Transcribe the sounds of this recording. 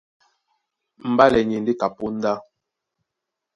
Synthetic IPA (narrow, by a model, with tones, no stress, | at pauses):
m̩˨ba˦lɛ˨ɲe˨n˦di˦ka˨pu˦n̩˦da˦